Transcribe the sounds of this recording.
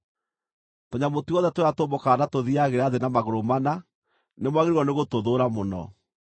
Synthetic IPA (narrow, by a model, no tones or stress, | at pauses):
toɲamotuɔðɛtweatoːmbokanatoðiaɣeɾaðenamaɣoɾomana | nemwaɣeɾiɾɔneɣotoðoɾamonɔ̰